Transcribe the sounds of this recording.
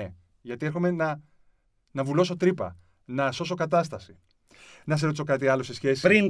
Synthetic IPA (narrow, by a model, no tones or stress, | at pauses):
e | ʝɐt̪ie̞ɾxo̞me̞nɐ | nɐvulo̞so̞t̪ɾipɐ̰ | nɐso̞so̞kɐt̪ɐst̪ɐsi | nɐseɾot̪isokɐt̪iɐlosesçe̞si̥sɾin